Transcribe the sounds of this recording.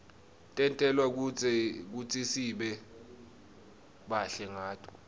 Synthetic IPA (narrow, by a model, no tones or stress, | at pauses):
tʼɛntʼɛlwak̬k̬ut͡sʼisiɓɛ | ɓaɬɛŋaːtʰʼu̥